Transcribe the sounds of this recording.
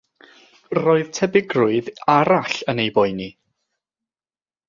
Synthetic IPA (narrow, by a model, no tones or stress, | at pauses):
roːɨðtʰɛbɪɡrʊɨðaɾaɬənejbɔɨni